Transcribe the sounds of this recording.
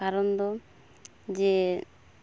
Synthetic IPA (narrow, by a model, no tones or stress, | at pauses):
aɾɔnd̪ɔ | d͡ʒe